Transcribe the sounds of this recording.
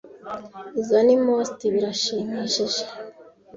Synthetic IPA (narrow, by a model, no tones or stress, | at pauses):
izanimostiβiɾaʃiːmiʃiʒe̥